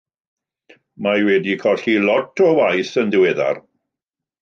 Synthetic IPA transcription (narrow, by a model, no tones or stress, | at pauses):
majwɛdikʰɔɬilɔtʰɔwajθəndɪwɛða̰r